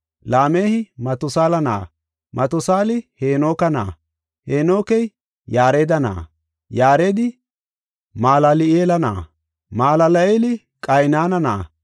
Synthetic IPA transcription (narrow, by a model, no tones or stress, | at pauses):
laːme̞ːhɪmɐt̪ʊsaːlɐna̰ː | mʔɐt̪ʊsaːlɪheːno̞ːkɐna̰ː | heːno̞ːkɛj | jaːɾeːd̪ɐna̰ː | jaːɾeːd̪ɪ | maːlalɪeːlɐna̰ː | maːlɐlɐeːlɪ | kʼɐjnaːnɐna̰ː